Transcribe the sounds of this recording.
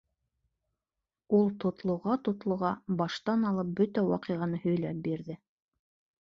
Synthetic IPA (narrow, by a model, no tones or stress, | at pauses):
ulˠt̪ŏt̪lˠŏʁɑt̪ŏt̪lˠŏʁɑbɑʃt̪ɑnɑlˠɤp̚bɵt̪æwɑqɤ̆ʁɑnɤhɵ̆jlæp̚biɾðɘ